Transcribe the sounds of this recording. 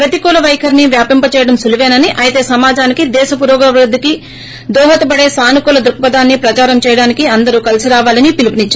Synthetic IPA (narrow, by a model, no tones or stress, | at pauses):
ɾɐt̪ikɔːlɐʋɐjkʰɐɾniʋjaːpimpɐt͡ʃɛːjɐɽɐmsuluʋeːnɐniʔɐjit̪e̞ːsɐmaːd͡ʒaːnikid̪ɛːʃɐpuɾɔːɡɐʋɾud̪ːiki | d̪ɔːɦɐt̪ɐbɐɽe̞ːsaːnukuːlɐd̪ɾukɐpɐd̪aːnːipɾɐt͡ʃaːɾɐmt͡ʃɛːjɐɽaːnikiɐnd̪ɐɾukɐlisiɾaːʋaːlɐnipilipiniɲt͡ʃaː